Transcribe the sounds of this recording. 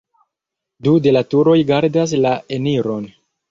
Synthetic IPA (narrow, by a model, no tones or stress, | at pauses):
dude̞latuɾo̞jɡaɾdas̬laeniɾo̞n